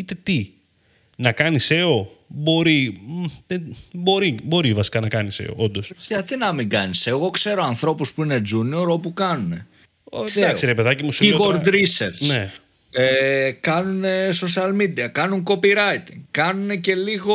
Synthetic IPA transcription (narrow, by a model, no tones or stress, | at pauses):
it̪e̞t̪i | nɐkɐnise̞o̞bo̞ɾiðebo̞ɾibo̞ɾivɐsi̥kɐnɐkɐnise̞̰o̞̰ʔo̞nd̪o̞sɐt̪inɐmiŋɡɐnise̞ɣo̞kse̞ɾo̞ɐnθɾo̞puspuine̞d͡zunio̞ɾo̞pukɐnune̞ | od̪ɐksiɾepeðɐcimusiɣoɾd̪ɾiseɾsne | ekɐnuneso̞siɐlmid̪iɐkɐnuŋko̞piɾɐjt̪kɐnune̞ce̞liɣo̞